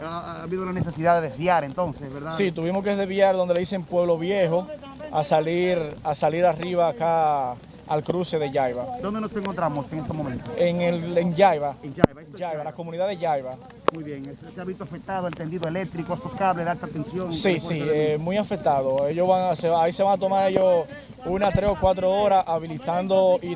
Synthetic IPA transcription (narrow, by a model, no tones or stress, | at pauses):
aaβiðolanesesiðaðeðezβjaɾent̪onsesβeɾðassit̪uβimoskeðezβjaɾðond̪elise̞mpwe̞βlo̞βje̞ɦo | asaliɾasaliɾariβaːka | alkɾuse̞ðe̞ʝajβad̪ond̪enoseŋkont̪ɾamoseŋest̪omomẽnt̪oeŋeleŋʝajβaa | d͡ʒajβalakomũniðaðeʝajβa | mujβjeŋsseaβit̪oafek̚t̪aðoelt̪end̪iðoelek̚t̪ɾikoasoskaβleðealt̪at̪ensjoŋsiiemw̃iafek̚t̪aðoe̞ʝoβaŋseaise̞βaŋat̪o̞maɾeʝos | unat̪ɾesokwat̪ɾooɾaaβilit̪and̪oi